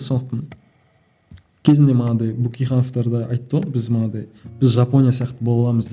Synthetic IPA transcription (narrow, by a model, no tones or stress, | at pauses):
sond̪əqt̪ɑɴ | kʲʰe̞zɪnd̪e̞mənɑd̪ɑjbukʲijχɑno̞ft̪ɑɾd̪ɑɑjt̪ːəbɪzmənɑd̪ɑjb̥ɪzʒɑpo̞nʲijasijɑqt̪ːəbo̞lˠɑlˠɑməzd̪